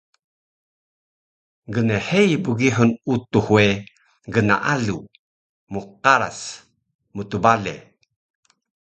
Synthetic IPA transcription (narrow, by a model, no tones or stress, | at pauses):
ɡənehejbuɡiɦunut̪uhwe | ɡəna̰ʔalu | muqaɾa̰s | mut̪ubalḛ